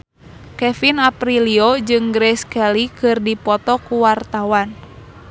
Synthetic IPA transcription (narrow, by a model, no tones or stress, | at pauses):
kɛfinapɾiliod͡ʒɨŋɡɾɛskɛlikɨrdipɔt̪ɔkuwart̪awan